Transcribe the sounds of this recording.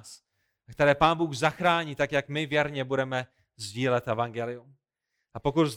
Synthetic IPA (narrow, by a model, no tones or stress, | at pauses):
s | k̚t̪ɛɾɛːpaːnbuːɣzaxɾaːɲiːt̪akjakmɪvjɛɾɲɛbudɛmɛ | zɟiːlɛt̪ʔɛvaŋɡɛlɪjum | ʔapo̞kut̪z